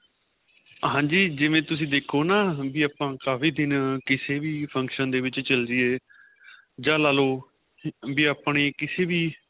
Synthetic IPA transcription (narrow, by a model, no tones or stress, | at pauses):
ɦãːd͡ʒiːd͡ʒɪʋẽːt̪ʊs̬ĩːd̪eːkʰːoːnaːbiːaːpãːkaːfiːd̪ɪnkɪseːʋiːpʰə̃ŋkʃənd̪eːʋɪt͡ʃt͡ʃəld̪iːeː | d͡ʒãːlaːloː | biːaːpɳeːkɪseːʋiː